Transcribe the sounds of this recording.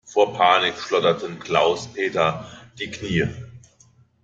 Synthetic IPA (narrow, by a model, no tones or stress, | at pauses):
foːɐpʰaːnɪkʃlɔdɐtʰənkʰl̥aʊspʰeːtɐd̥iːkʰniːə